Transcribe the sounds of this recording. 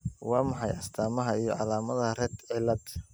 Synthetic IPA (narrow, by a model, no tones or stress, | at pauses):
wɑːmɑħɑjɐst̪ʰaːmɐɦɐijɞʕɑlaːmɐðɐɦɐrɛːd̪ʕɪlːɐd̪